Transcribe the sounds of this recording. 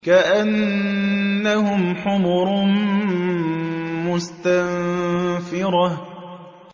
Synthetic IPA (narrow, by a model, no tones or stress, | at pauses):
kaʔanː | ahʊmħʊmʊɾ | mʊst̪anfɪɾɑ